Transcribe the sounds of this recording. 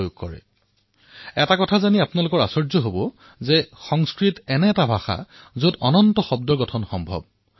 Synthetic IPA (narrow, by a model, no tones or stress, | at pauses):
juɡ̚kːɔɹɛ̰ | ɛtakɔtʰazaniapʊnalʊkɔɹasɔɹzɔɦobɔ | zɛxɔŋskɹitɛnɛːtabʱaxa̰ | zotɔnɔntɔxɔb̚dɔɡɔtʰɔnxɔmbʱɔ̰b̚